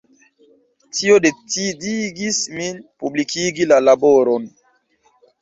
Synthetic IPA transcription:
tʰiodet͡sidiɡisminpublikʰiɡilalaboɾon

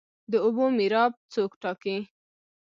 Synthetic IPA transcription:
d̪əʊbomiɾɑb̚t͡sokʈɑki

